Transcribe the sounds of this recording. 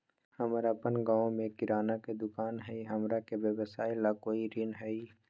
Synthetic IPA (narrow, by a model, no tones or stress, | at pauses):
həmɾapənɡaːõmẽkɪɾaːnaked̪ʊkaːnɦɛiɦɐmɾakebeʋəsaːɪlakoːiɾɪnɦɛi